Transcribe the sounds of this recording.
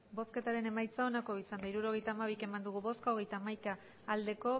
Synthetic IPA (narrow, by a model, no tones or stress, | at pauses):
bo̞ske̞t̪aɾe̞ne̞majt͡sao̞nako̞isand̪aiɾuɾo̞ɣ̞e̞jt̪aːmaβ̞ike̞mand̪uɣ̞uβo̞skaoɣe̞jt̪aːmajkaː | ld̪e̞ko̞